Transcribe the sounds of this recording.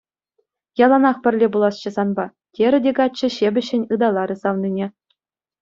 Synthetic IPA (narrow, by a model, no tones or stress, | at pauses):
jɑlˠɑnɑχpʲɘ̆rʲlʲebulˠɑst͡ɕɤ̆zɑnbɑ | tʲeɾʲɘ̆dʲeɡɑɘ̆ɕebʲɘ̆ɕːɘ̆nʲɯd̪ɑlˠɑɾɯ̆sɑʋnʲinʲe